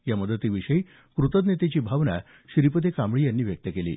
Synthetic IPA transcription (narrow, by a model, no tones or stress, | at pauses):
jaməd̪ət̪ːiːʋiɕəi | kɾut̪əd̪net̪et͡ɕiːbʱaʋna̰ | ɕiɾipət̪ekambɭijanːiːʋjək̚t̪əkelḭː